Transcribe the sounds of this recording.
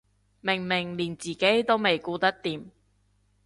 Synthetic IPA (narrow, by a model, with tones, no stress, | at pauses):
mɪ˨˩ŋmɪ˨˩ŋliː˨˩nt͡siː˨ke˨˥jt̪o˥wme˨˩jkuː˨˧t̪ɐ˥k̚t̪iː˨˧m